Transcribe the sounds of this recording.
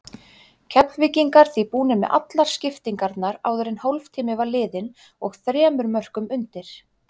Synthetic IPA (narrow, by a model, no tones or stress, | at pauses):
cʰɛpnvɪciŋkaɾ̥θipuːnɪmɛ̰ʔa̰t̪laɾ̥scɪft̪iŋkaɾt̪naɾa̰ːwðʏɾɪnhowlft̪ʰiːmɪvalɪːðɪn | ɔɣθɾɛːmʏɾmœr̥kʏmʏnt̪ɪɾ̥